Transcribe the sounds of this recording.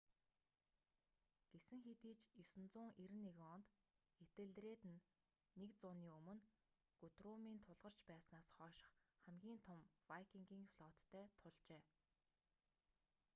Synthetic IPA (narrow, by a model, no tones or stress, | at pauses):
ɡ̥esɘ̆ŋxet̪iːt͡ɕɵsɘ̆nt͡sʊːŋʔeɾɘ̆nːeɣɔnt̪ | et̪ɘ̆ɮt̪reːt̪ɘ̆nː | ekt͡sʊːniːɵmɵ̆n | ɡ̥ʊt̪rʊmiːnt̪ʰʊɮʁə̆r̥t͡ɕpæːsnaːsχɔːʃɪ̥̆χχæmɡʲiːnt̪ʰʊmwajkʰiŋɡʲiːŋfɮɔt̪ʰːœːt̪ʰʊɮt͡ɕeː